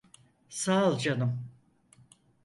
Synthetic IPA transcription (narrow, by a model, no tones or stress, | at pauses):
saːlˠd͡ʒanɯm